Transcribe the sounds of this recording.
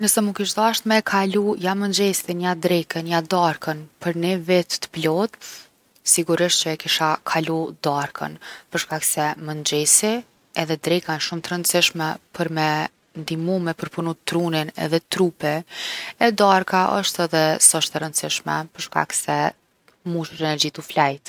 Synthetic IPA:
nəsɛmukiʃd̪aʃt̪mɛkʰalujamənd͡ʑɛsinjad̪ɾɛkənjad̪aɾkənpəɾnivɛt̪t̪ːə̥plɔt̪ | siɡuɾiʃt̪t͡ɕəɛkiʃakʰalud̪aɾkʰə̰npəɾʃkaksɛmənd͡ʑɛsi | ɛðɛd̪ɾɛkanʃumt̪əɾənt̪siʃmɛpʰəɾmɛ | nd̪imumɛpəɾpunut̪ːɾuninɛ̰ðɛt̪ɾupɛɛd̪aɾkaʔə̰ʃt̪ɛðɛsɔʃt̪əɾənsiʃmɛ̰pəɾʃka̰ksɛ | muʃuɾɛnɛɾd͡ʑit̪uflajt̪

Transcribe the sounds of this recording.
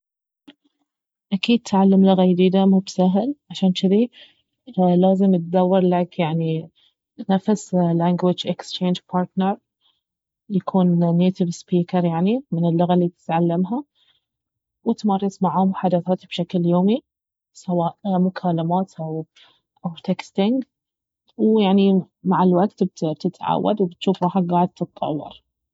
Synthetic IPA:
ʔakiːd̪̚t̪ʰʕalːamlʊɣajd̪iːd̪amuːbsaɦlʕaʃaːnt͡ʃɪði | laːzɪmɪt̪̚d̪awːɪɾˤlakjaʕni | nafslaːŋɡwɪd͡ʒʔɪkst͡ʃeːnd͡ʒpʰɑːɾt̪nəɾˤ | jakʰuːnːeːt̪ɪvspiːkɑɾˤjaʕnimɪnəlːʊɣalːib̚t̪ɪ̥t̪ʕalːamɦa | wɪt̪mɑrˤːɑsmaʕhʊmħad̪aθaːt̪bʃakljoːmi | sawaːʔmʊkʰaːlamaːt̪ʔaw | ʔawt̪ekst̪ɪŋɡ | wjaʕni | maʕalwaɡt̪b̪̚t̪ɪt̪ʕa̰wːa̰d̪wbɪt̪ʃuːfɾˤɑːħaɡaːʕəd̪̚t̪ʰɨt̪ˤːɑ̰wːɑ̰ɾˤ

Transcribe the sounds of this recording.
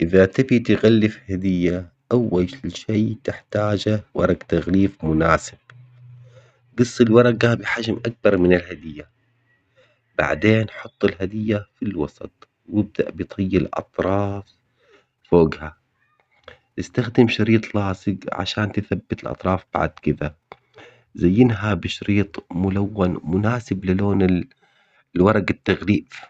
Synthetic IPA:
ʔɪðat̪ɪbit̪ɪɣalːɪfhad̪ɪjːa | ʔawːalʃeːt̪ɪħt̪aːd͡ʒawɑ̰ɾˤɑɡt̪aɣliːfmʊnaːsɪb̥̚ | ɡɨsˤːɪlwɑɾˤɑɡabɪħad͡ʒmʔak̚bɑɾˤmɪnɪlhad̪ɪjːa | b̥a̰ʕd̪eːnħʊt̪ˤːɪlɦad̪ɪjːafilwɑsˤɑ̰t̪̚ˤ | wɪb̚d̪a̰ʔbɪt̪ʰˤɑjːɪlʔɑ̰t̪ˤɾˤɑːf | foːɡha | ʔɪst̪axd̪ɪmʃɑɾiːt̪ˤlɑːsˤɨɡʕa̰ʃaːnt̪ɪθabːɪt̪ɪlʔɑ̰t̪ˤɾˤɑːfb̥a̰ʕd̪kɪd̪a | zajːɪnɦabɪʃɾiːt̪ˤmʊlawːanmʊnaːsɪblɪloːnɪ | lwɑɾˤɑɡat̪ːaɣliːb

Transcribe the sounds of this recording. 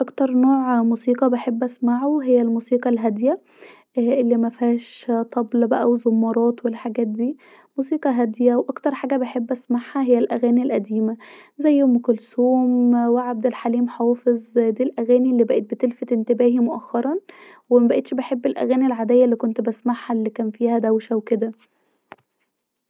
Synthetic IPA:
ʔɑkt̪ɑɾˤnoːʕmusiːqɑbeħebːʔæsmaʕoɦejːælmuːsiːqɑlɦæd̪jæ | ʔelːimæfæːʃt̪ˤɑblbæʔæwezomːɑɾˤɑːt̪welħaɡæːt̪̚d̪iː | musiːqɑɦæd̪jæwʔɑkt̪ɑɾˤħaːɡæbeħebːʔæsmaʕhæɦejːælʔæɣæːnilʔæd̪iːmæzæjːmkolsuːmweʕab̚d̪ælħaliːmħwɑːfezd̪iːlʔæɣæːnilːiːbæʔet̪̚bet̪elfæt̪ent̪ebæːhimoʔæxːɑɾˤɑn | wemæbæʔet̪ʃbeħebːelʔæ̰ɣæːnilʕad̪ejːælːiːkont̪bæsmaħhælːikæːnfiːhæd̪æwʃæwked̪æ

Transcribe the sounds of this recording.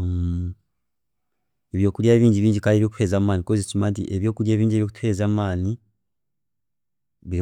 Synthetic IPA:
eβjo̞ːkuɾjaβiːɲɟiβiːɲɟikaleβiokutwe̞ːzaːmmaːnikozit͡sumaːntḭʔeβjo̞ːkuɾjaːβiːɲɟiβikutwe̞ːzaːmaːni | βiɾ

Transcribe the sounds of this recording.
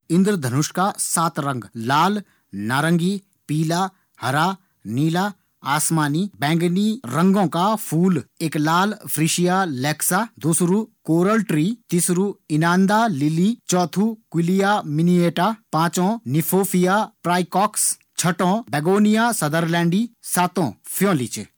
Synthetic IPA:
ɪ̃nd̪ɾd̪ʱɐnʊʃkasaːt̪ɾɐ̃ŋɡlaːl | naːɾə̃ŋɡi | piːlaː | hɐɾaː | niːlaː | aːsmaːniːbɛ̃ːŋɡniɾɐ̃ŋɡõkapʰuːleːklaːlpʰɾiʃijalɛːksaːd̪usɾukoːɾəlʈɾiːt̪isɾuɪnaːnd̪aːliliːt͡ʃɔːt̪ʰuːkilijaːminieːʈaːpãːt͡ʃõnipʰoːpʰijaːpɾaːjkɔːks | t͡ʃʰɐʈõːbɛɡoːnijaːsɐd̪əɾlɛ̃ːɳɖiːsaːt̪õːpʰjõːlḭt͡ʃ

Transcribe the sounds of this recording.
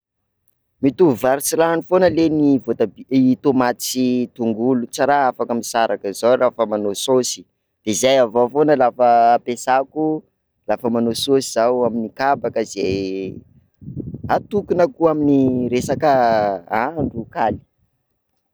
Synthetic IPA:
mit̪uvaɾt͡siɾaɳufonəlenivot̪abiit̪omat̪t͡sit̪uŋɡulut͡saɾaafakamisaɾakəzawrafəmanososi̥ | d̪̥ezajavofonəlafəːpesaku | lafəmanososizawaminikabakəze | at̪ukunəkuaminiɾesakəaɳɖ͡ʐukali̥

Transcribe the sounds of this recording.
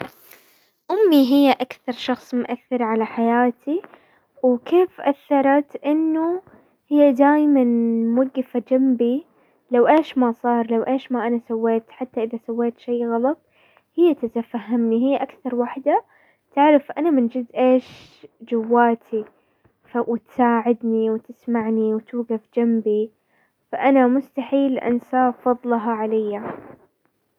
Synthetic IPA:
ʔʊmːiɦɪjːaʔakθɑɾˤʃɑxsˤmʊʔaθːɪɾʕalaħajaːt̪ʰi | wkeːfʔaθːɑɾˤɑt̪ʔɪnːu | hɪjːad̪aːjmanmaɡːɪfad͡ʒambi | lawʔeːʃmasˤɑːɾˤlawʔeːʃmaʔanasawːeːt̪ħat̪ːaʔɪðasawːeːt̪ʃejːɣɑlɑt̪̚ˤ | hɪjːat̪ɪt̪afaɦːamniɦɪjːʔakθɑɾˤwaːħd̪a | t̪aʕɾɪfʔanamɪnd͡ʒɪzʔeːʃ | d͡ʒʊwːaːt̪ʰi | fawɪt̪saːʕɪd̪niwt̪ɪsmaʕniwt̪uːɡafd͡ʒambi | faʔanamʊst̪aħiːlʔa̰nsaːfɑðˤlɑɦɑʕalajːa

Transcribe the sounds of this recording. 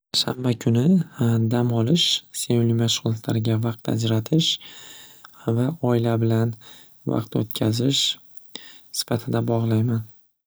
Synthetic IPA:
ʃa̰mbakʲʰʊnɪd̪amɒlɪʃse̞nʊlijmaʃʊʁlˠat̪laɾɪɡʲavɑq̚t̪a̰d͡ʒɾat̪ʰɪʃ | vaɒɪlabɪlan | vɑ̰qt̪ot̪̚kʲʰazɪʃ | sɪ̥fat̪ʰɪd̪abɒʁlˠajman

